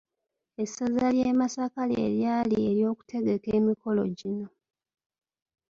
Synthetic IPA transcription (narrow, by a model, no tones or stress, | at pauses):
e̞sazaljeːmasakalḛːljaːlieɾjo̞ːku̥tʰe̞ɡe̞ke̞ːmiko̞lo̞̰ɟino̞